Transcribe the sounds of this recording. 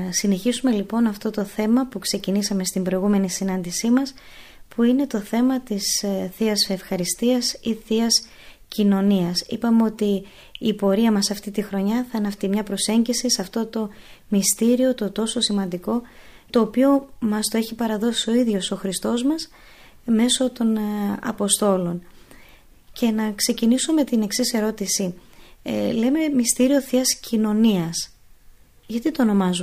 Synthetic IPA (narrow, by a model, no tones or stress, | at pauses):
sine̞çisume̞lipo̞nɐft̪o̞t̪o̞θe̞mɐpukse̞cinisɐme̞st̪imbɾo̞iɣume̞nisinɐnd̪isimɐs | puine̞t̪o̞θe̞mɐt̪isθiɐsefxɐɾist̪iɐsiθiɐs | cino̞niɐsḭpɐmeo̞t̪iː | po̞ɾiɐmɐsɐft̪it̪ixɾo̞ɲɐθɐenɐft̪imɲɐpɾo̞se̞ɲɟisisɐft̪o̞t̪o̞mist̪iɾio̞t̪o̞t̪o̞so̞simɐnd̪iko̞ | t̪o̞ːpio̞mɐst̪o̞e̞çipɐɾɐðo̞sio̞iðʝo̞so̞xɾist̪o̞zmɐs | me̞so̞t̪o̞nɐ̰po̞st̪o̞lo̞n | ce̞nɐkse̞cinisome̞t̪ine̞ksise̞ɾo̞t̪isi | le̞me̞mist̪iɾio̞θiɐscino̞niɐs | ʝɐt̪it̪o̞ːno̞mɐzu